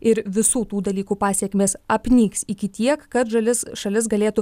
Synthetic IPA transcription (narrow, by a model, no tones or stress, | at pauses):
ɪɾʋʲɪsuːt̪uːd̪ɐlʲiːkuːpɑːsʲiɛkʲmʲeːsɐpʲnʲiːksikʲɪt̪ʲiɛkkɐt̪ʒɐlʲɪsʃɐlʲɪsɡɐlʲeːt̪ʊ